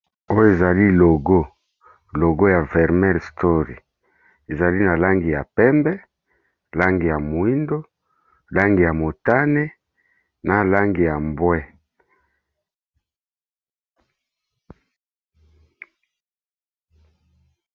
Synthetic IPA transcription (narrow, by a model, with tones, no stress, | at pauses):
o˦jo˦e˨za˨li˦lo˨ɡo˦ | lo˨ɡo˦ja˨vɛ˨ʁmɛ˦ʁstʰo˦ʁi˨ | e˨za˨li˦na˨la˦ŋɡi˨ja˨pɛ˦mbɛ˦ | la˦ŋɡi˨ja˨mo˨i˦ndo˦ | la˦ŋɡi˨ja˨mo˨ta˦nɛ˦ | na˨la˦ŋɡi˨ja˨mbwɛ˦